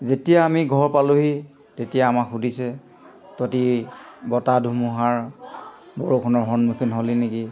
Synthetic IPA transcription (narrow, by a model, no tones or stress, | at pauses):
zetijaːmiɡʱɔɹpaluɦi | tetijaːmakɦudʱisɛ | totibɔtadʱumuɦaɹ | boɹokʰɔnɔɹɦɔnmukʰinɦolineki